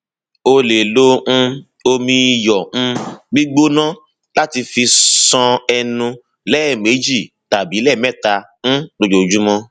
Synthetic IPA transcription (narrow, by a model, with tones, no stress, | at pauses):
o˧le˨lõ˦˧ | o˧mĩ˧jɔ̃˨˧ɡ͡bi˦ɡ͡bo˦nã˦ | la˦ti˧fi˧sɔ̃˧ɛ˧nũ˧ | lɛ˦˨me˨˦d͡ʒi˦˨ | ta˨bi˨˦lɛ˦˨mɛ˦˨ta˧ | ñ̩˦do˧d͡ʒo˨d͡ʒu˨˦mɔ̃˧